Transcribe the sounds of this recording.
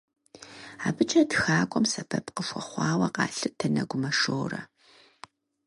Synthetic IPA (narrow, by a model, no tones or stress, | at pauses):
aːbɨt͡ʃʼɐtxaːkʷʼɔmsɐbʰɐpqəʃʷɔχʷɑːwɐqɑːɬɨtʰɐnɐɡʷʊmɐʂoːrɐ̰